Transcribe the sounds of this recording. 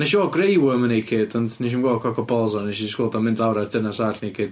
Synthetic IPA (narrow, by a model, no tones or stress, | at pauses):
nɛʃiɔɡrejwəmənejkʰɪdɔndniʃ̬inɡɔːkʰɔkʰɔbɔlˠzɔneʃiskoːdɔmɪ̃ndlawɾardənasaɬnekʰɪd̥̚